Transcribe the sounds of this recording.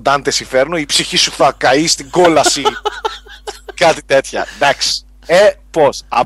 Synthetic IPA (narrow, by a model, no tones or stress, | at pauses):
d̪ɐnt̪esifeɾnoipsiçisuθɐkɐist̪iɡo̞lɐsi | kɐt̪i̥t̪e̞t̪çɐ̰d̪ɐks | eposɐ̰